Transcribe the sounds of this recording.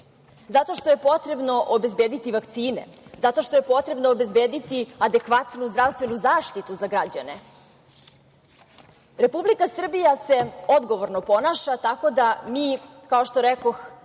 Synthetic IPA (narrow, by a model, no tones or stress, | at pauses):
zat̪o̞ʃt̪o̞je̞po̞t̪ɾe̞bno̞ʔobe̞zbe̞ːd̪it̪iʋakt̪siːnḛzat̪o̞ʃt̪o̞je̞po̞t̪ɾe̞bnoːbe̞zbeːd̪it̪iad̪e̞kʋat̪nuzd̪ɾaʋst̪ʋe̞nuzaːʃt̪it̪uzaɡɾad͡ʑa̰ne̞̰ | ɾe̞publikasr̩bijase̞o̞d̪ɡo̞ʋoɾnopo̞naʃat̪ako̞d̪amiː | kao̞ʃt̪oɾɛko̞x